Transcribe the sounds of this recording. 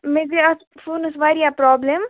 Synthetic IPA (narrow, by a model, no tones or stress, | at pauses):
meːd͡ʒeɐs | fuːnɐsʋaːɾijapɾɔːblem